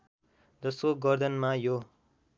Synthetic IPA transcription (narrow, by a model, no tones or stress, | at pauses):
d͡zʌskoɡʌrd̪ʌnmajo